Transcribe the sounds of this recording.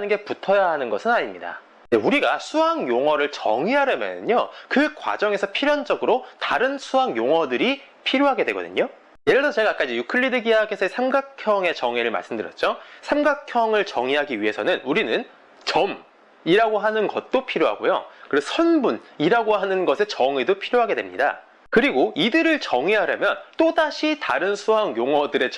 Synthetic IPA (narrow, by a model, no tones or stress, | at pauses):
nɯnɡe̞putʰʌjaɦanɯnɡʌsʰɯnaɲimɲida̰ | neuɾiɡasʰuɦaŋjoŋwʌɾɯɭt͡ɕʌ̰ŋiɦaɾamjʌ̰nɯ̰ɲokɯkwa̰d͡ʑʌŋe̞sʰʌpʰiɾjʌnd͡ʑʌɡɯɾotaɾɯnsʰuɦaŋjoŋʌdɯɾi | pʰiɾjoɦaɡe̞dwe̞ɡʌdɯ̰ɲo | jeɾɯɭsʰʌt͡ɕe̞ɡak͈ad͡ʑijukʰɯɭːidɯɡiaɡesʰʌesʰemɡakʰjʌŋe̞t͡ɕʌŋweɾɯɭma̰ɭs͈ɯmdɯɾjʌt̚t͡ɕ͈osʰamɡakʰjʌŋɯɭt͡ɕʌŋiɦaɡiɥiɦe̞sʰʌnɯnuɾinɯn | t͡ɕʌm | iɾaɡoɦanɯnɡʌ̰t̚t͈opʰiɾjoɦa̰ɡojokɯɾessʰʌnbuniɾaɡoɦanɯnɡʌsʰe̞t͡ɕʌŋɥedopʰiɾjoɦaɡe̞dwḛmɲḭda̰ | kɯɾiɡoidɯɾɯɭt͡ɕʌŋiɦaɾamjʌnt͈odaɕʰitaɾɯnsʰuɦaŋjoŋʌdɯɾe̞